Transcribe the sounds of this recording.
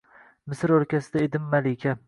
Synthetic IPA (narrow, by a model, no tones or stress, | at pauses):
mɪsɪɾɵɾkʲasɪd̪aed̪ɪmːalɪkʲʰa